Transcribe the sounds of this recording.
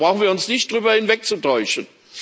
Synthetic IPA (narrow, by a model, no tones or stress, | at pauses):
ʁaʊxn̩viɐʊnsnɪçt̚d̥ʁyːbɐhɪnvɛk̚t͡sutʰɔʏʃən̩